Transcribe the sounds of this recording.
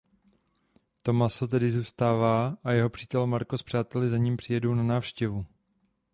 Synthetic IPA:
t̪o̞maso̞t̪ɛdɪzuːst̪aːvaːʔajɛɦo̞pr̥iːt̪ɛlmaɾko̞spr̥aːt̪ɛlɪzaɲiːmpr̥ɪjɛdo̞wnanaːfʃcɛvu

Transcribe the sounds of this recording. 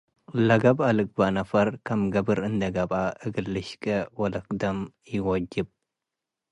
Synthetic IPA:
lɐɡɐbalɨk̚ʼbanɐfɐɾkʰɐmɡɐbɨɾɨnd̪ɐɡɐbaʔɨɡɨlːɨʃkʼɐwɔlɐkʼd̪ɐm | jɪwɔd͡ʒɪb̚

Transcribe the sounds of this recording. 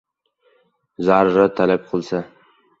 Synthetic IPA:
zaɾɾat̪ʰalab̚qʰɨlˠsa

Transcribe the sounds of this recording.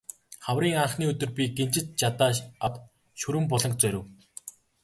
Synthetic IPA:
χawriːŋaɴχniːɵt̪ɵ̆rpʲiɡent͡ɕɪ̆t̪̚t͡ɕat̪aːat̪ | ʃɵɾɘ̆mpɔɮɞ̆ŋk̚t͡sœɾʲɘ̆w

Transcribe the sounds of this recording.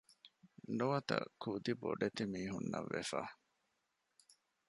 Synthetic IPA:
nuɐt̪ɐ̰kud̪iboɖet̪imiːɦunːɐʋːefaː

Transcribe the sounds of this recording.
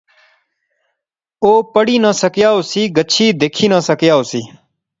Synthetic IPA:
oːpəɽiːnãːsəkjaːoːsiːɡət͡ʃʰiːd̪eːkʰiːnãːsəkjaːoːsiː

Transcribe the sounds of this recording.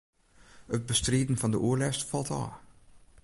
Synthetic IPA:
ət̚bəstriːdn̩fɑndəʔuəɹlɛstfɑlˠta̰ː

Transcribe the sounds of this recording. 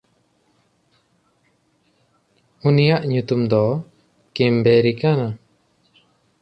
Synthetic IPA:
unijaʔɲut̪umd̪ɔ | kimbeɾikana

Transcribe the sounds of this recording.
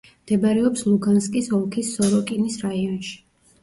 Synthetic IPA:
md̪̥ɛbaɾɛɔpslˠuɡanskʼisɔlˠkʰisːɔɾɔkʼinisɾaiɔnʃi̥

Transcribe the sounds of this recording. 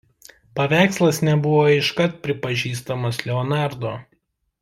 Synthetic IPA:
pɐʋʲæˑɪkslˠɐsnʲɛbʊʋoːɪʃkɐt̪̚pʲɾʲɪpɐʒʲiːst̪ɐmɐslʲɛɔnɑˑɾd̪oː

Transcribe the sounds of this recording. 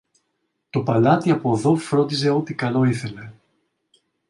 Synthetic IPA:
t̪o̞pɐlɐt̪iɐpoðo̞fɾo̞nd̪is̬e̞o̞t̪ikɐlo̞iθe̞le̞

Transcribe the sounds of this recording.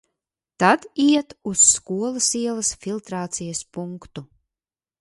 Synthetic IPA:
t̪ad̪iɛt̪usːkuɔlˠɐsiɛlˠɐsfilˠt̪ɾaːt̪sijaspuŋkt̪u

